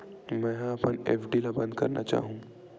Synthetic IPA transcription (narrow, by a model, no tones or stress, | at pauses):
mɛ̃ːɦɐpəneːfɖilabɐ̃nd̪kɐɾna̰t͡ʃa̰ːɦũː